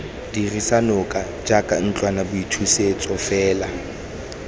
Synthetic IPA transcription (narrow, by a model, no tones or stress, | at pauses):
d̥irisanʊkʼa | d͡ʒakʼan̩t͡ɬʼwanabʊitʰuset͡sʼɔfɛːla